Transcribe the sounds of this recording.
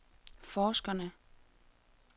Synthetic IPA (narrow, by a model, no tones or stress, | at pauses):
fɒːsɡ̥ɐnə